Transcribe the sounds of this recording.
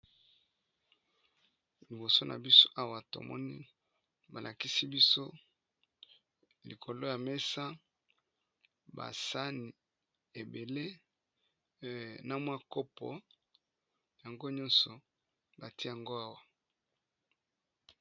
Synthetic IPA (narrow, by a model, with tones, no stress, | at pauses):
li˨bo˨so˦nʔa̰˨bi˦so̥˦ʔa˦wa˨to̰˨mɔ̰˦ni˦ | ba˨lʔa˨ki˦si˦bi˦so˦ | li˨kʰo˨lo˦ja˨me˦sa˦ | ba̰˨sa˦ni˨ | e˨be˨le˦ | na˨mwa˦ko˦pʰɔ̰˨ | ja˨ŋɡo˦ɲɔ̃˦nsɔ˨ | ba˨ti˦ja˨ŋɡo˦a˦wa˨